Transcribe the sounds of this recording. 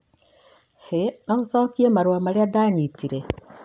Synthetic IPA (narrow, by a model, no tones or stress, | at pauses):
henousokiemaɾwamaɾeadaɲitiɾe